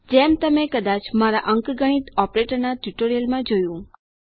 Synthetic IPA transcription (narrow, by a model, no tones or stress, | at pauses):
d͡ʒɛmt̪əmekəd̪at͡ʃmaɾaʔəŋkɡəɽ̃it̪ɔpɾeʈəɾnaʈuʈoɾijəlmãd͡ʒojũ